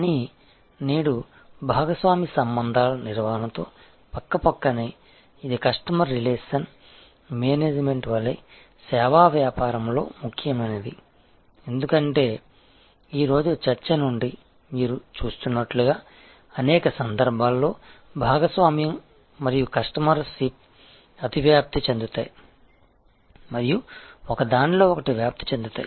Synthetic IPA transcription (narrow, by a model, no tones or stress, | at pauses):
ni | niːɽu | bʱaːɡɐsʋaːmisɐmbɐnd̪ʱaːlɐniɾʋaɦɐnɐt̪o̞ː | pɐkːɐpɐkːɐneː | id̪ikɐʂʈɐmɐɾileːʂɐn | meːneːd͡ʒme̞ɳʈʋɐɭːej | sɛːʋaːʋjaːpaːɾɐmlo̞̰ːmukʰjɐmɐned̪i | e̞nd̪ukɐɳʈe̞ː | iːɾo̞ːd͡ʒut͡ʃɐɾt͡ʃɐnuɳɖi | miːɾut͡ʃuːst̪unːɐʈluɡaː | ɐnɛːkɐsɐnd̪ɐɾbʱaːlːo̞ːbʱaːɡɐsʋaːmijɐm | mɐɾijukɐʂʈɐmɐɾsip̚ | ɐt̪iʋjaːp̚t̪it͡ʃend̪ut̪a̰ːji | mɐɾijuɔkɐd̪aːnlo̞ːɔkɐʈiʋjaːp̚t̪i̥t͡ʃend̪ut̪a̰ːji